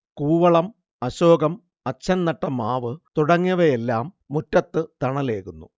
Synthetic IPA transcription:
kuːʋɐɭɐm | ɐɕoːɡɐm | ɐt͡ɕːɐnnːɐʈːɐmaːʋɨt̪uɽɐŋːɐʋɐjelːaːmːutːɐt̪ːɨt̪ɐɳɐle̞ːkunːṵ

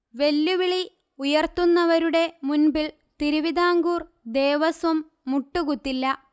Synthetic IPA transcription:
ʋe̞lːuʋiɭi | ujɐrt̪unːɐʋɐɾuɽe̞munbil | t̪iɾuʋid̪ʱaːŋɡuːr | d̪e̞ːʋɐsɐmː | uʈːuɣut̪ːilːɐ

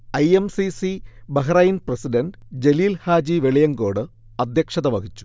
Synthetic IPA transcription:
ɐjemsisibɐɦɐɾɐjinprɐsidɐnɖɨd͡ʑe̞liːlhaːd͡ʑiʋe̞ɭijɐŋɡo̞ːɽɨ | ɐd̪ʱjɐkʂɐðɐʋɐkit͡ɕːu̥

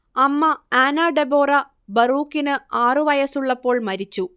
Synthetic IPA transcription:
ɐmːɐaːnaːɖebo̞ːrɐ | bɐruːkːinɨaːrɨʋɐjɐsuɭːɐpːo̞ːɭmɐɾit͡ɕːu

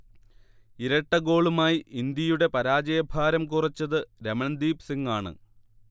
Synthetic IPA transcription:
iɾɐʈːɐɡo̞ːɭumaːjiind̪jɐjuɽe̞pɐɾaːd͡ʑɐjɐbʱaːɾɐmkurɐt͡ɕːɐðɨɾemɐnd̪iːpsiŋɡaːɳɨ̰

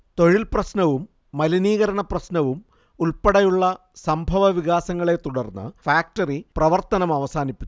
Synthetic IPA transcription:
t̪o̞ɻilprɐɕnɐʋumː | ɐliniːɣɐɾɐɳɐprɐɕnɐʋum | uɭpɐɽɐjuɭːɐ | sɐmbʱɐʋɐʋiɣaːsɐŋːɐɭe̞t̪uɽɐrnːɨ̰faːk̚tɐriprɐʋɐrt̪ɐnɐmɐʋɐsaːnipʲːunː

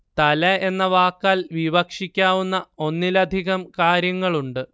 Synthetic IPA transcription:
t̪ɐlɐe̞nːɐʋaːkːaːlʋibɐkʂikʲːaːʋunːɐo̞nːilɐd̪ʱiɣɐmkaːɾjɐŋːɐɭuɳɖɨ

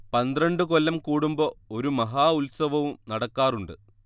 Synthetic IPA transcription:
pɐnd̪rɐɳɖɨkolːɐmkuːɽumbɐoɾumɐɦaːulsɐʋɐʋumnɐɽɐkːaːruɳɖɨ

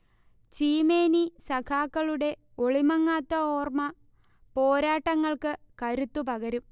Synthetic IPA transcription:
t͡ɕiːme̞ːnisɐkʰaːkːɐɭuɽe̞ | oɭimɐŋːaːt̪ːɐoːrmɐ | po̞ːɾaːʈːɐŋːɐɭkɨ | kɐɾut̪ːupɐɣɐɾum

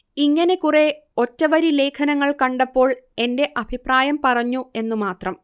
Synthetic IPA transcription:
iŋːɐne̞kure̞ | o̞tːɐʋɐɾile̞ːkʰɐnɐŋːɐɭkɐɳɖɐpːo̞ːɭe̞nde̞ʔɐbʱipraːjɐmpɐrɐɲːue̞nːumaːt̪rɐm

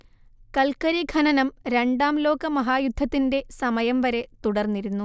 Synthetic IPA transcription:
kɐlkɐɾiɡʱɐnɐnɐmɾe̞ɳɖaːmlo̞ːkɐmɐɦaːjud̪ʱːɐt̪ːinde̞sɐmɐjɐmʋɐɾe̞t̪uɽɐrnːiɾunːu

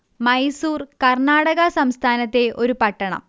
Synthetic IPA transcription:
mɐjsuːrkɐrɳaːɽɐɣɐsɐmst̪ʰaːnɐt̪ːe̞ʔo̞ɾupɐʈːɐɳɐ̰m

